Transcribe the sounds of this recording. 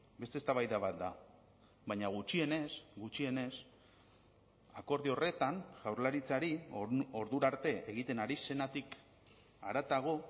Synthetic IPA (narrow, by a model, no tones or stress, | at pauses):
be̞st̪est̪aβajðaβat̪̚d̪a | bajɲaɣ̞ut͡ʃie̞ne̞sɡut͡ʃie̞ne̞s | ako̞ɾðio̞re̞t̪anʝawɾlaɾit͡saɾio̞ɾðuɾaɾt̪e̞eɣ̞it̪e̞naɾise̞nat̪ik | aɾat̪aɣ̞o̞